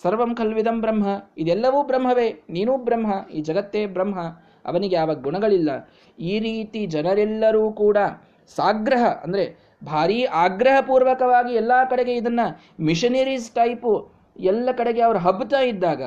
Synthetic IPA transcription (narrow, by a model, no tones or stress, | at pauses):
sɐɾʋɐmkʰɐlʋid̪ɐmbɾɐmɦɐid̪ɛlːɐʋuːbɾɐmɦɐʋeːniːnuːbɾɐmɦɐiːd͡ʒɐɡɐt̪ːeːbɾɐmɦɐ | ɐ̰ʋɐniɡeːʋɐɡuɳɐɡɐɭilːɐ | iːɾiːt̪id͡ʒɐnɐɾɛlːɐɾuːkuːɽɐ | saːɡɾɐɦɐʔɐ̰nd̪ɐɾe̞ | bʱaːɾiːʔaːɡɾɐɦɐpuːɾʋɐkɐʋaːɡiɛlːaːkɐɽe̞ɡe̞id̪ɐnːɐ | miʂɐnɐɾisʈɐjpu | ɛlːɐkɐɽe̞ɡe̞ɐʋɐɾuɦɐbːt̪aːjid̪ːaːɡɐ̰